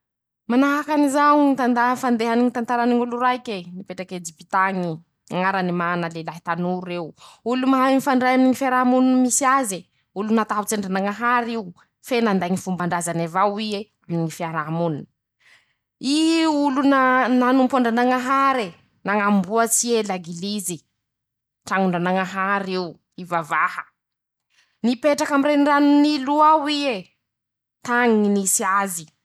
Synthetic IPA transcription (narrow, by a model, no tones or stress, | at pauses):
manaɦakanizaŋit̪and̪aɦfand̪eɦaniŋit̪ant̪aɾaniŋuluɾajkʲenipeʈ͡ʂaked͡ʒipit̪aŋi | aŋaɾanimanalelaɦit̪anuɾuewulumaɦanifaɳɖ͡ʐajaminiŋifiaɾamununmisiaze | ulunat̪aɦut͡seɳɖ͡ʐanaŋaɦaɾiu | fenand̪aŋifumbaɳɖ͡ʐazanavawie | aminiŋifiaɾamununə | iulunananumpaɳɖ͡ʐanaŋaɦaɾe | naŋambuət͡sielaɡilizi | ʈ͡ʂaŋuɳɖ͡ʐanaŋaɦaɾiw | ivavahə | nipeʈ͡ʂakamireiɳɖ͡ʐanniluawie | t̪aŋiinisiazi